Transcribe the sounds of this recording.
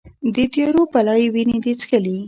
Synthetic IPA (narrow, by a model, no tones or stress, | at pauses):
d̪ət̪eɾopalɑjewined̪et͡skəli